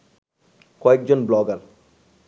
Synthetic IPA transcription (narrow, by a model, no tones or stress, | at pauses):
kɔek̚d͡ʒonblɔɡɐl